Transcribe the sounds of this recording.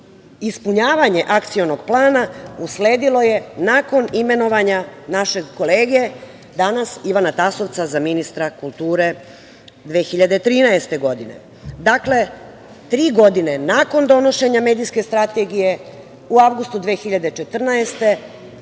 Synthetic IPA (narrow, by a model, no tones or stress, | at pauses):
ispuɲaːʋaɲe̞ʔakt̪sio̞no̞ɡplˠaːnausle̞ːd̪ilo̞je̞naːko̞nime̞no̞ʋaɲanaʃe̞ko̞leːɡe | d̪anasiʋanat̪aso̞ʋt̪sazaminist̪ɾakulˠt̪uːɾe̞ | d̪ʋeːxiʎad̪et̪ɾiːnaest̪e̞ɡo̞d̪ine̞̰ | d̪akle̞ | t̪ɾiːɡo̞d̪ine̞nako̞nd̪o̞no̞ʃe̞ɲame̞ːd̪iske̞st̪ɾat̪e̞ɡije̞ | uaʋɡust̪ud̪ʋeːxiʎad̪e̞t͡ʃe̞t̪r̩naest̪e̞